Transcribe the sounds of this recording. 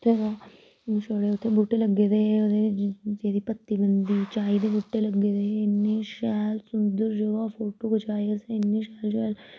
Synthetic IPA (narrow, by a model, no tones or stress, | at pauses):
ʊt̪ʰːeʋa | t͡ʃoɽeːʊt̪ʰːebuʈːeləɡːeːd̪eːod̪ezeːd̪iːpət̪ːiːbənd̪iːt͡ʃaːid̪eːbuːʈːeːləɡeːd̪eːɪnːeːʃɛːlsʊnd̪əɾd͡ʒoʋaːfʰoːʈoːkət͡ʃaːjəseɪnːeːʃɛːlʃɛːl